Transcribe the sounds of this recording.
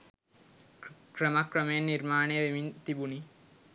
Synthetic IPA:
kɾɐmɐkɾɐmeːniɾmaːɳeʋimint̪ibuni

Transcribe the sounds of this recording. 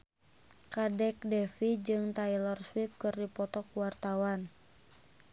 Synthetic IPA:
kadɛk̚dɛfid͡ʒɨŋt̪ailɔrswip̚kɨrdipɔt̪ɔkuwart̪awan

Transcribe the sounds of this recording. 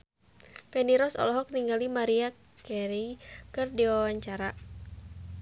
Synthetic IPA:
pɛniɾɔsɔ̰lɔɦɔk̚niŋɡalimaɾia | kɛɾikɨrdiawaɲt͡ʃaɾa

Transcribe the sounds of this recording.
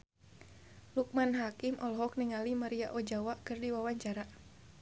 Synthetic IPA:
luk̚manɦakimʔɔlɦɔk̚niŋalimaɾiaʔɔd͡ʒawakɨrdiwawaɲt͡ʃaɾa

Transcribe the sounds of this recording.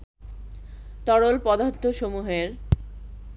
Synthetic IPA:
t̪ɔɽolpɔd̪at̪ʰːoʃomuɦeɾ

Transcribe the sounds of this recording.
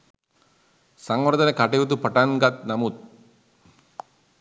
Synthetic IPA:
sɐŋʋɐɾd̪ɐnekaʈeut̪̬upɐʈanɡɐt̪̚nɐmut̪̚

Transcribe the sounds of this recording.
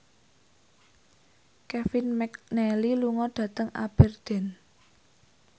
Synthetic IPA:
kɛfinmɛk̚nɛliluŋɔɖ̥ä̤t̪əŋa̰b̥ɛ̤rd̪̥ɛ̤n

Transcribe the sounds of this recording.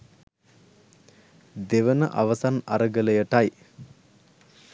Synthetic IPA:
d̪eʋənəʔaʋəsana̰ɾəɡələjəʈaj

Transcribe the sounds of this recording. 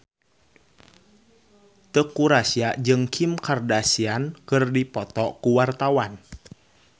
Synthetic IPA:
t̪əkuɾasiad͡ʒɨŋkʰimkardasiankɨrdipɔt̪ɔkuwart̪awan

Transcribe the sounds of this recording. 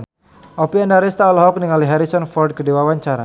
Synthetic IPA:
ʔɔpiandaɾist̪aɔlɔɦɔk̚niŋaliɦaɾisɔnfɔrd̚kədiwawaɲt͡ʃaɾa

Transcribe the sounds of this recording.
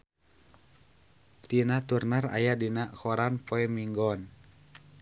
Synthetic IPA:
t̪inat̪urnara̰jadinaʔkɔɾanpɔɛmiŋɡɔn

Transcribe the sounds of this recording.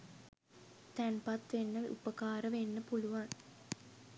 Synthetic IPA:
t̪ænpat̪ʋenːəʋʔṵpəkaːɾəʋenːəpuluʋaŋ

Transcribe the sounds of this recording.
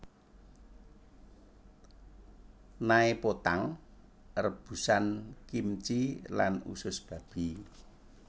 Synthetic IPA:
naepot̪aŋ | rəb̥ṳsankimt͡ʃila̰nṵsʊsb̥ä̤b̥i̤

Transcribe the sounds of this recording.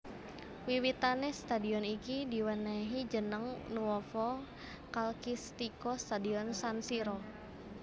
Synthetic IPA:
wiwit̪anɛhst̪adiɔnikidiwənaɦid͡ʒənəŋnuɔfɔ | kalkist̪ikɔst̪adiɔnsansiɾɔ

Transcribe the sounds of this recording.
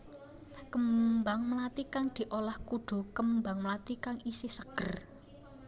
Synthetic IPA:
kəmbaŋmlat̪ikaŋd̪̥i̤ʔolahkuɖ̪̥o̤kəmbaŋməlat̪ikaŋisɪhsəɡ̥ə̤r

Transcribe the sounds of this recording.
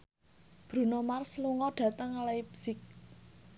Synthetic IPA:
b̥ɾṳnomarsluŋɔɖ̥ä̤t̪əŋlajpsɪk̚

